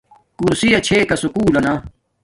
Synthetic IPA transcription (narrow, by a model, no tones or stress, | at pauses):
kuɾsijɐt͡ɕʰeːkɐsukuːlɐnaː